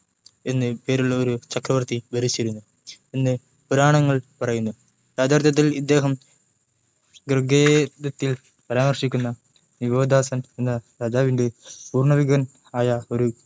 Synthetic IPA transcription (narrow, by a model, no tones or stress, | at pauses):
e̞nːɨpe̞ːɾuɭːɐoɾut͡ɕɐkrɐʋɐrt̪ibɐɾit͡ɕːiɾunːu | enːɨ | puɾaːɳɐŋːɐɭpɐrɐjunːu | ɾaːd̪ʱaːrt̪jɐt̪̬ːilid̪ːe̞ːɦɐm | ɡrɨɡed̪ɐt̪ːil | pɐɾaːmɐrʂikʲːunːɐ | niʋo̞ːd̪ʱaːsɐnenːɐɾaːd͡ʑaːʋinde̞puːrɳɐʋiɡɐn | aːjɐo̞ɾu